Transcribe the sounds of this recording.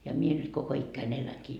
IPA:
jɑ mie nyt koko ikːæin elæŋkiː

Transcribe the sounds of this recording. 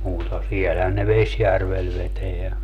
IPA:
muːtɑ siɛlhæn ne ʋesjærʋel ʋeteæ

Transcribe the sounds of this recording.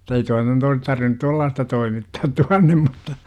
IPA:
ei toi nyt ois tɑrʋinŭt tuɑlːɑːstɑ toimitːɑːt tuɑnːem mutːɑ

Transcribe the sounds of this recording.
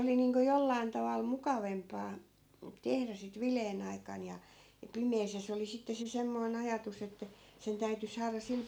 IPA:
oli niːŋko jolːɑin tɑʋɑl mukɑʋempɑː tehræ sit ʋileːn ɑikɑn jɑ jɑ pimeːs jɑ se oli sitːe se semːoi̯n ɑjɑtus etːæ sen tæyty sɑːrɑ sil

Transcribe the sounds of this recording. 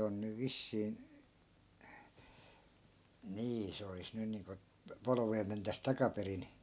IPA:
on nyʋ ʋisːiːn̞ niː se olis nyn niːŋko polŏʋeː mentæs tɑkɑperin

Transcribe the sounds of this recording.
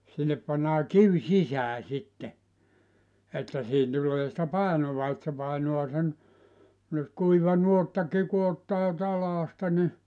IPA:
sinːep pɑnːɑː kiw sisæː sitːe etːæ siːh̆in tulˑeː sĭtæ pɑˑenoʋɑ et se pɑˑenoɑ sen nyt kuiʋɑ nuotːɑki ku otːɑː tɑlɑːstɑ ni

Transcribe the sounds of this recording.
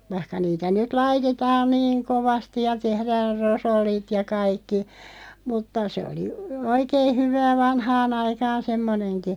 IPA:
ʋɑĭhkɑ niːtæ nyt lɑitetɑːn niːŋ koʋɑsti jɑ tehræːr rosolːit jɑ kɑikːi mutːɑ sĕ oli oikeː hyʋæː ʋɑnhɑːn ɑikɑːn semːonenki

